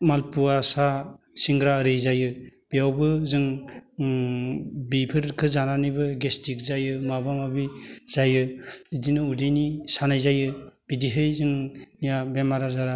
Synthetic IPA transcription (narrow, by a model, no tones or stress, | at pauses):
malpuasa | siŋɡɾaɾɯjzajɯb̥iawbɯzɯŋ | bipʰɯɾkʰɯzananijbɯɡestik̚zajɯmabamabiz̥ajɯdinɯudijnisanajzajɯb̥idiɦɯjzɯŋnijabemaɾazaɾa